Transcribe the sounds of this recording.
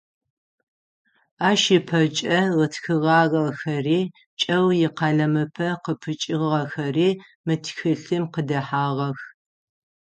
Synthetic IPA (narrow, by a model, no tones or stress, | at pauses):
aːʃɪpʰɐt͡ʃʼɐʁətʰxɨʁɑːɣɐxɐriː | t͡ʃʼɐwjɪqɑɮɐmɨpʰɐqəpʰɨt͡ʃʼɪʁʁɐxɐriː | mɨtʰxɨɬɨmqədɐħaːʁɐx